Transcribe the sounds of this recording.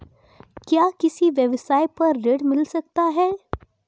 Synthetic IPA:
kjaːkɪsiʋjɛʋsaːjpɐɾːeːɖmɪlsɐk̚t̪aɦɛː

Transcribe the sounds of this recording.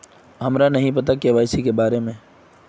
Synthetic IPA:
ɦɐmɾanɐɦĩpɐt̪̬akeʋaːsikebaːɾemẽː

